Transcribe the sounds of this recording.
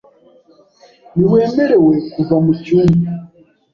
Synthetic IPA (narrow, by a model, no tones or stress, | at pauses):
niwe̞ːme̞ɾe̞we̞kuvamucuːmdi